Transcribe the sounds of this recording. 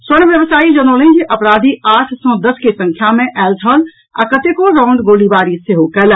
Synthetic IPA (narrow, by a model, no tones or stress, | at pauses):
sənʋjəbsaːid͡ʒənolə̃nd͡ʒeʔəpɾad̪ʱiaʈʰsɔ̃d̪əskesə̃ŋkʰjamẽʔɛːlt͡ʃʰəl | a̰kət̪ekoɾɔ̃ːɳɖ̪ɡolibaɾiseɦokɛːl